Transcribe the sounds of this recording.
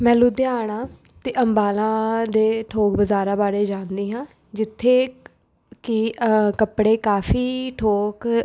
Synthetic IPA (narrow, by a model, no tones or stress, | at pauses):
mɛ̃ːluːd̪ɪaːɳ̃ãː | t̪eːʔəmbaːlãːd̪eːʈʰoːkbəzaːɾaːbaːɾeːd͡ʒãːnd̪iːɦãː | d͡ʒɪt̪ʰːeː | kɪkəpɽeːkaːfʰiːʈʰoːk